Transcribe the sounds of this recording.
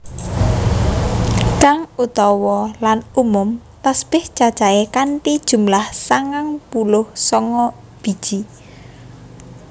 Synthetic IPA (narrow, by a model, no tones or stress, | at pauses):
kaŋut̪ɔwɔlanumʊm | t̪aspɪht͡ʃad̥ʒ̥aekaɳʈid̥ʒ̥ṳmlahsaŋaŋpulʊhsɔŋɔ | b̥i̤d̥ʒ̥i